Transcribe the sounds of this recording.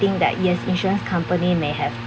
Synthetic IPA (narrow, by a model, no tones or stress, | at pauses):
ɪ̃ŋk̚d̪ɛ̰ʔ̚jɛsḭ̃nʃɔɹə̃nskʰãmpənimehɛv